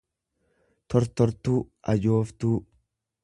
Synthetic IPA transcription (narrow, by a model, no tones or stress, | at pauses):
t̪ɔɾt̪ɔɾt̪uːɐd͡ʒo̞ːft̪uː